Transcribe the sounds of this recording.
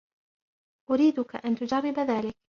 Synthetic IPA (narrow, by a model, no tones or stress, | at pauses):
ʔʊɾiːd̪ʊka̰ʔant̪ʊd͡ʒɑrˤːɪbaðaːlɪk̚